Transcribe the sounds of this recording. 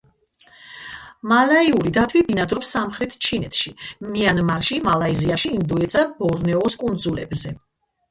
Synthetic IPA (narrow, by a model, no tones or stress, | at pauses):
malaiuɾid̪at̪ʰwibinad̪ɾɔpsːamχɾɛt̪ʰt͡ʃʰinɛt̪ʰʃimianmaɾʃimalaiziaʃiːnd̪ɔɛt̪sʰabɔɾnɛɔskʼund̪zulɛ̰bzɛ